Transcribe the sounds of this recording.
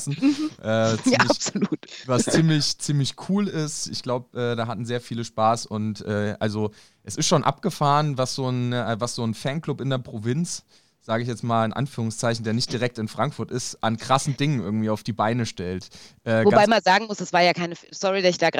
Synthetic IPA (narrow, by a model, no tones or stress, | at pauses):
sn̩ʔɛːvst͡saɪapz̥oluːtvast͡siːmlɪçt͡siːmlɪçkʰuːlɪstɪ̰çɡ̥laʊbəʔɛːdaːɦatn̩zeːɐfiːləʃpaːsʊntʔɛːʔa̰lzo | ʔɛsɪstʃoːnʔa̰p̚ɡ̥əfaːʁənvasz̥oːnːvasz̥oːnfɛnkl̥ʊpɪndeːɐpʁ̥ovɪnt͡s | z̥aːɡəɪçjɛt͡smaːlɪnʔa̰nfyːʁʊŋst͡saɪçn̩deːɐnɪçt̚d̥iʁ̞ɛk̚tɪnfʁ̥aŋkfʊɐtɪstʔankʁ̥asn̩dɪŋənʔɪ̰ɐɡŋ̩tv̥iːaʊfd̥iːbaɪnəʃtɛltʔɛːɡvoabaɪmanzaːɡŋ̩mʊsd̥asv̥aːɐjaːkʰaɪnəfsɔʁidaɪçd̥aːɡ